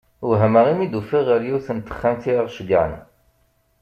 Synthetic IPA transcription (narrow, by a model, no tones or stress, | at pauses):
wɦəməʁimid̪ufiʁəɾjiwθənt̪ːə̥χːænθiɾaʁʃɡa̰ʕə̰n